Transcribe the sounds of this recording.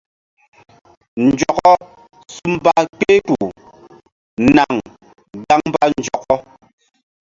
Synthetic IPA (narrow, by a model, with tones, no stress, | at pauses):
n˨d͡ʒɔ˨kɔ˦ | su˦m˦ba˦k͡pe˦tu˨ | na˨ŋ | ɡa˦ŋm˦ba˦nn˨d͡ʒɔ˨kɔ˦